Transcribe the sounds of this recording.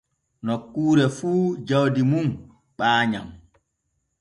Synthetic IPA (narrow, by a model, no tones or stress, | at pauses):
nɔkːuːɾɛfuːd͡ʒawdimum | ɓaːɲam